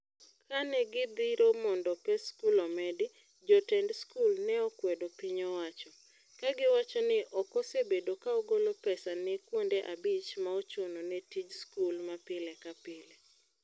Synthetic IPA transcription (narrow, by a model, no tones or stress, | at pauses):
kanɛɡɪd̪iɾomɔndɔpɛskulɔmɛdɪ | d͡ʒɔtɛndskulnɛɔkwɛdopiɲɔwat͡ʃɔ | kaɡɪwat͡ʃɔnɪʔɔkɔsebedokaɔɡolopɛsanɛkwondeʔabit͡ʃmaɔt͡ʃononɛtid͡ʒskulmapɪlɛkapɪlɛ